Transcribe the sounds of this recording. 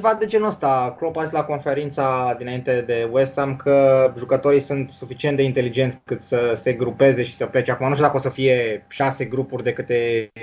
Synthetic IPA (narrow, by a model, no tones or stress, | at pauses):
evad̪e̞d͡ʒenuəst̪aklopaislako̞nfe̞ɾint̪sad̪inaint̪e̞d̪e̞west̪amkʰəʒukət̪o̞ɾisunt̪sufit͡ʃient̪d̪eint̪e̞lid͡ʒe̞nt̪skɨt̪səse̞ɡɾupe̞ze̞ʃi̥səple̞t͡ʃeakumanuʃt̪jud̪akəosəfije̞ʃase̞ɡɾupurʲd̪e̞kɨt̪e̞